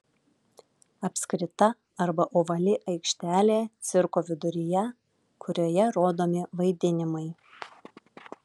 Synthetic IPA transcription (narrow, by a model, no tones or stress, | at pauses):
ɐpʲsʲkɾʲɪt̪ɐ | ɐɾbɐʔoːʋɐlʲɪʔɐɪkʃʲt̪ʲæːlʲeːt̪sʲɪɾkoːʋʲɪd̪ʊɾʲɪjɛ | kʰʊɾʲoːjɛɾoːd̪oːmʲɪʋɐɪd̪ʲɪnʲɪmɐɪ